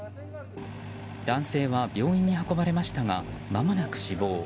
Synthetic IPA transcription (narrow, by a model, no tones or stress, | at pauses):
d̪̥ãɰ̃se̞ːβabʲjo̞ːĩɲ̟ːihako̞baɾe̞maɕi̥t̪aŋamamonakɯ̟̥ɕibo̞ː